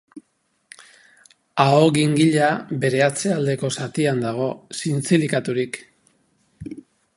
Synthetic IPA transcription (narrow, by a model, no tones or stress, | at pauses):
aoɣiŋɡiʎabe̞ɾe̞at͡se̞ald̪e̞ko̞sat̪iand̪aɣ̞o̞sint͡silikat̪uɾik